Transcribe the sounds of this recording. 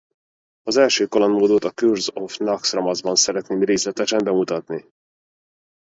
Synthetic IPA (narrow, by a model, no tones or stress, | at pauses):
ɒzɛlʃøːkolonmoːd̪ot̪ɒkyrzofnɒksrɒmɒzbɒnsɛɾɛt̪neːmreːslɛt̪ɛʃɛmbɛmut̪ɒt̪ni